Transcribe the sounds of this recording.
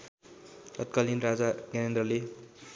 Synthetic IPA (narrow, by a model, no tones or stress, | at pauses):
ʌt̪̚kʌlinrad͡zaɡanʌnd̪rʌle